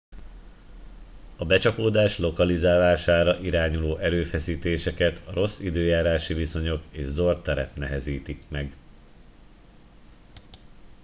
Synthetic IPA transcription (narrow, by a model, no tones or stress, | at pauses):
ɒbɛt͡ʃɒpoːd̪aːʃlo̞kɒlizaːlaːʃaːɾɒʔiɾaːɲuloːʔɛɾøːfɛsiːt̪eːʃɛkɛt̪ʰɒɾo̞sːid̪øːjaːɾaːʃiviso̞ɲo̞keːʒzort̪ːɛɾɛ̰pnɛɦɛziːt̪ikmɛɡ